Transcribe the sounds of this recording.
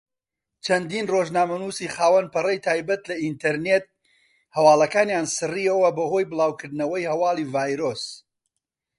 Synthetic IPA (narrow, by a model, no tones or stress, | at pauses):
t͡ʃʰɐnd̪iːnroːʒnaːmɐnuːsiːχaːwɐnpɨrɐjt̪ʰaːjbɐt̪lɐint̪ɐɾnet̪̚ | hɐwaːlˠɐkaːnjaːnsɨriːɐwɐbɐho̞jbɨlˠaːwkɨɾd̪nɐwɐjhɐwaːlˠivaːjɾoːs